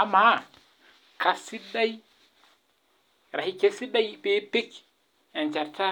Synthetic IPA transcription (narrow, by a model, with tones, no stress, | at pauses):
a˨ma˦ | ka˨si˦ɗa˦j | ɾa˨i˨ke˦si˦ɗa˦jbe˨˦pi˦k | ɛ˨nt͡ʃa˨ɾtʰa˦